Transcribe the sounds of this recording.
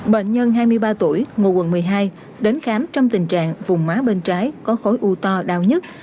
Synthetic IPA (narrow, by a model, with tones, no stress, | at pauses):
ɓḛ˧˨nɲə˧nɦaː˧jmɨ˧əjɓaː˧t̪u˧˩əjŋo˨˩wə̰˨˩nmɨ˨˩əjɦaː˧j | ɗe˨˦nxaː˨˦mt͡ɕɔ˧wŋ͡mt̪ï˨˩ŋ̟t͡ɕa̰ː˧˨ŋvʊ˨˩ŋ͡mmaː˨˦ɓe˧nt͡ɕaː˨˦jkɔ˨˦xo˨˦jʔu˧t̪ɔ˧ɗa̰ː˧˨wɲə˦˥t̚